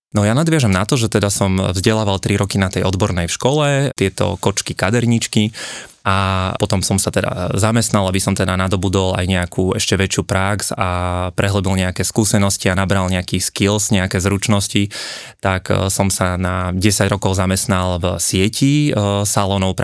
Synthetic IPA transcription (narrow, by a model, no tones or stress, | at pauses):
nɔjanad̪ʋɪaʒɛmnat̪ɔʒɛt̪ɛd̪asɔmvzɟɛlaːʋalˠt̪ɾiɾɔkinat̪ɛjɔd̪bɔɾnɛjfʃkɔlɛt̪ɪɛt̪ɔ̰kɔt͡ʃkikad̪ɛɾɲit͡ʃkiʔapɔt̪ɔmsɔmsat̪ɛd̪a̰zamɛst̪nalˠabisɔmt̪ɛd̪anad̪ɔbud̪ɔla̰jɲɛakʰuɛʃcɛʋɛt͡ʃɪuːpɾaksapɾʔɛɦlɛbilɲɛakɛːskuːsɛnɔscianabɾalɲɛakiːskilsɲɛakɛːzɾut͡ʃnɔscit̪aksɔmsanaɟɛsaɟɾɔkɔʊzamɛst̪nalˠvsɪɛcisalɔnɔʊp